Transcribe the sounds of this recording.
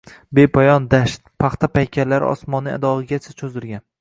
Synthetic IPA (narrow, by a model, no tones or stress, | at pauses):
be̞pʰɒjɒnd̪aʃt̪pʰɑχt̪ʰapajkʲʰalːaɾ̰ɒ̰smɒnia̰d̪ɒʁɨɡʲat͡ʃʰat͡ʃʰɵzɪɾɡʲan